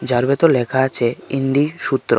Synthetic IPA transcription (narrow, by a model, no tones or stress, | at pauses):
d͡ʑaɾbet̪olekʰaat͡ɕʰeind̪iʃut̪ːɾo